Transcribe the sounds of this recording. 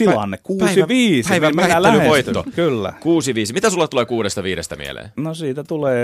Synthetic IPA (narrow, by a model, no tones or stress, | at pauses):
t̪ilɑnːekkuːsiʋiːspæiʋmæhætlːælyʋoit̪ːo̰kylːæ̰kuːsiʋiːsimit̪æsulːɑt̪t̪uleːkuːɾest̪ɑʋiːɾest̪æmḭḛlḛːnosiːt̪æt̪uleː